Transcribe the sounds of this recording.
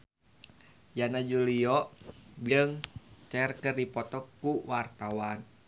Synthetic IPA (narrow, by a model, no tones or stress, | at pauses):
janad͡ʒuliɔbiəŋt͡ʃɛrkərdipɔt̪ɔkːuwart̪awan